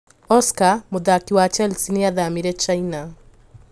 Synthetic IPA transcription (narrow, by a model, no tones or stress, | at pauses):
ɔskamoðakiwat͡ʃɛlsineaðamiɾɛt͡ʃaina